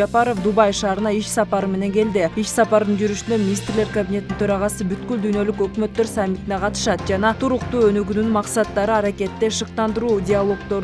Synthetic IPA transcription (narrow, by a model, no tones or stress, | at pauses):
ɑpɑɾo̞fd̪ubɑjʃɑːɾɯnɑiʃsɑpɑɾɯme̞ne̞ŋɡe̞ld̪iiʃsɑpɑɾd̪ɯnd͡ʒyɾyʃynd̪øminʲist̪ɾle̞ɾkabʲinʲe̞t̪ːint̪ʰø̞ɾɑʁɑsɯbyt̪kyld̪yjnø̞lykø̞kmø̞t̪ːøɾsamʲːit̪ineqʰɑt̪ɯ̥ʃɑt̪̚d͡ʒɑnɑt̪ʰuɾuqt̪uːønyɡynynmɑqsɑt̪ːɑɾɯɑɾake̞t̪ːe̞ʃɯq̚t̪ɑnd̪ɯɾuːdʲɪalˠo̞kt̪o̞ɾ